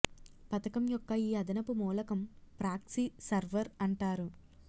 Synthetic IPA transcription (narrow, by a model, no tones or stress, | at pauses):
pɐt̪ɐkɐmjɔkːɐiːɐd̪ɐnɐpumuːlɐkɐmpɾaːksisɐɾʋɐɾɐɳʈaːɾu